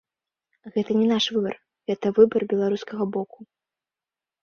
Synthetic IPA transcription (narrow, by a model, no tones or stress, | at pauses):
ɣɛt̪ɐnʲɛnaʂvɨbɐ̰r | ɣɛt̪ɐvɨbɐrbʲɛlˠaɾuskɐɣɐbɔku̥